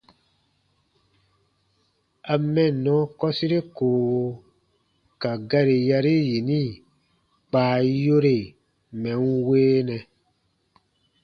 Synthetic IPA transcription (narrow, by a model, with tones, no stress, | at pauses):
a˨mɛ̃˨nɔ̃˨˦kɔ˦si˦ɾe˦koː˨wo˧ | ka˨ɡa˦ɾe˨ja˧ɾe˦ji˨nĩ˦˨ | k͡paː˨jo˦ɾe˨ | mɛ̃˨ŋ̩˦weː˦nɛ̃˧